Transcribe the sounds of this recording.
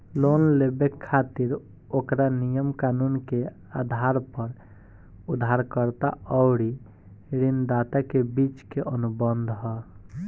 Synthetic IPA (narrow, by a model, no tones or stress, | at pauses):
lonlebekʰːat̪iɾ | okɾanijəmkanunke | ad̪ʱaɾpəɾ | ud̪ʱaɾkəɾt̪a̰ɔwɽi | ɾind̪at̪akebit͡ʃkeʔənubənd̪ʱɦɔ